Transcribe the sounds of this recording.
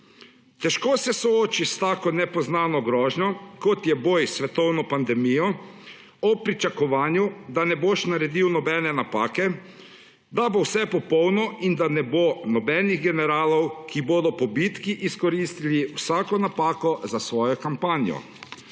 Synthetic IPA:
t̪ɛʃkoːsɛsɔoːt͡ʃist̪aːkɔnɛpɔznaːnɔɡɾɔːʒɲɔkɔt̪jɛboːjsʋɛt̪ɔwnɔpand̪ɛmijɔ | ɔpɾit͡ʃakɔʋaːnjud̪anɛboʃnaɾɛd̪iwnɔbɛːnɛnapaːkɛ | d̪abowsɛpɔpɔwnɔind̪anɛbonɔbɛːniɣɡɛnɛɾaːlɔwkiboːd̪ɔpɔbit̪kiʔiskɔɾist̪iliwsaːkɔnapaːkɔzasʋɔːjɔkampaːnjɔ̰

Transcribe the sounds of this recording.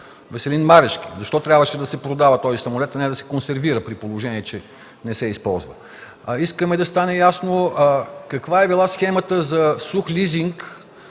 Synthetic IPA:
vɛsɛlinmaɾɛʃkizɐʃt̪ɔt̪ɾʲjabvəʃɛd̪ɐsɛpɾod̪avət̪ɔzisɐmolɛt̪ɐnɛd̪ɐsɛ̥konsɛɾviɾəpɾipolˠoʒɛniɛt͡ʃɛ | nɛsɛispɔlˠzvə | iskəmɛd̪ɐst̪anɛjasno | kɐkvaɛbilˠasxɛmət̪əzɐsuxlʲiziŋk

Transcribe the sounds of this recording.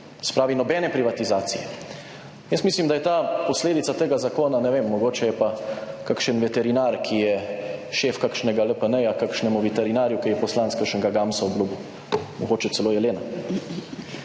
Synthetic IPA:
sɛ̥pɾaːʋinɔbɛːnɛpɾiʋat̪izaːt̪sijɛ | jəst̪mislimd̪ajɛt̪aːpɔsleːd̪it̪sat̪eːɡazakoːnanɛʋemːɔɡoːt͡ʃɛjɛpakakʃənʋɛt̪ɛɾinaːɾkʰijɛʃeːfkakʃnɛɡaləpənɛjakakʃnɛmuʋɛt̪ɛɾinaːɾjukɛjɛpɔslantskəɾʃənɡaɡamsaublubu | mɔɡoːt͡ʃɛtsɛloːjɛleːna

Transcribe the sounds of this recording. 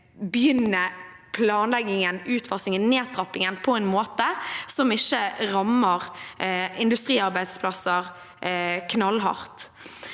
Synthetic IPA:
bjʏnːə | pʰlɑːnlɛɡɪŋənʉːt̪fɔʁsɪŋənneːt̪ʰɾɑpɪŋənpʰɔɛnmoːt̪əsɔmɪçːəʁɑməʁ | ɪnd̪ʉst̪ʁiːɑɾbæɪd̪spʰlɑsəʁ | kʰnɑlɦɑ̰ʁt̪

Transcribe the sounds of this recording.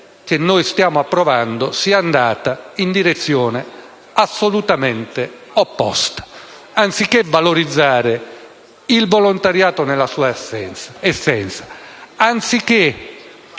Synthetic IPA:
k̟enːoːjst̪jaːmʊapːɾɔvand̪osiaand̪aːt̪aind̪iɾet̪sːjɔːne | asːolut̪amɛnt̪e | ɔpːɔ̰st̪ḁ | ant̪sikːevaloɾid̪zːaːɾe | ilvolont̪aɾjaːt̪onɛlasuːaɛnɛsːɛnt̪sḁant̪sikːe

